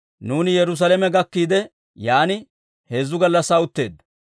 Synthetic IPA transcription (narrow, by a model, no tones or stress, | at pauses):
nuːnɪjɛɾʊs̬ɐlɛmɛɡɐkːiːd̪ɛ | jaːnɪ | he̞ːzːʊɡɐlːɐsɐːʊt̪ːe̞ːd̪ːɐ